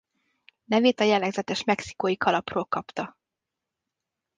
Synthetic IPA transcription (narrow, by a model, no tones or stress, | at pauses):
nɛveːt̪ɒjɛlːɛɡzɛt̪ɛʃmɛksi̥koːjikʰɒlɒproːlkɒpt̪ɒ